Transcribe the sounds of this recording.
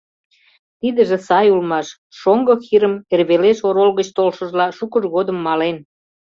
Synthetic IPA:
t̪id̪əʒĕsɑjulmɑʃ | ʃoŋɡoxiɾəmerβeleʃoɾolɣət͡ɕt̪olʃə̆ʒlɑʃukəʒɣod̪əmːɑlen

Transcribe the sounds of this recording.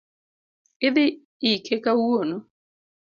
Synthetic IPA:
ɪðɪ | ikʰekauɔnɔ

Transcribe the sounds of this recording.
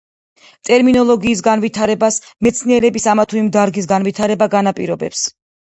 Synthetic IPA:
t̪ʼɛɾminɔlˠɔɡiːs̬ɡanvit̪ʰaɾɛbasmɛt̪sʰniɛɾɛbisamat̪ʰuimd̪aɾɡis̬ɡanvit̪ʰaɾɛbaɡanapʼiɾɔbɛps

